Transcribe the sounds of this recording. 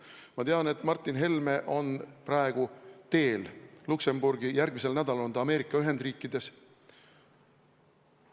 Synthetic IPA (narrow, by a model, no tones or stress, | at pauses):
mɑt̪e̞ɑne̞t̪ːˑmɑrt̪ːˑinɦe̞lme̞ʔo̞nprɑe̞ɡ̥ut̪e̞ːllukse̞mburɡijærɡ̥mise̞lnæd̪ɑlond̪ɑɑme̞ːɾikːˑɑyɦe̞nd̪̥riːkˑːid̪̥e̞s